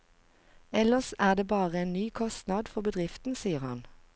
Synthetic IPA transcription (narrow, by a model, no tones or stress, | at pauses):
ɛləsæːd̪eːbɑːʁəeːnnyːkʰɔst̪nɑd̪fɔʁbəd̪ʁɪft̪n̩siːəʁhɑ̰n